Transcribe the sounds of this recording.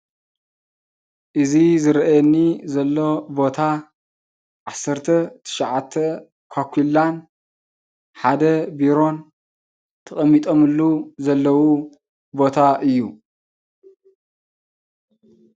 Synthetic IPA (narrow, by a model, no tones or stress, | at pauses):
ʔɨzizɨɾɐʔajɛnːizɐlːo̞bo̞t̪ʰa | ʕasːɐɾt̪ʰɐt̪ʰɨ̥ʃaʕat̪ʰːɐ | kʰakʷʰilan | ħad̪ɐbiɾo̞n | t̪ʰɐχʼɐmːit̪ʼo̞mɨlːuzɐlːɐwu | bo̞t̪ʰaʔɨjːu